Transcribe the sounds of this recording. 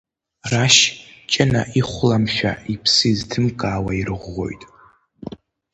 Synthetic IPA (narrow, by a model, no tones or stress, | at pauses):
raʃt͡ʃʼanaʔiχʷlamʃᶣa̰ipʰsɨiztʰɨmkʼaːwairɨʁʷːo̞̰jtʼ